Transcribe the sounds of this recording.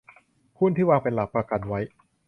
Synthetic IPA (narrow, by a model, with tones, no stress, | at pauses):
kʰu˥˩nt̪ʰiː˥˩waː˧pe˧nla˨˩p̚pɾa˧ka˧nwa˦˥j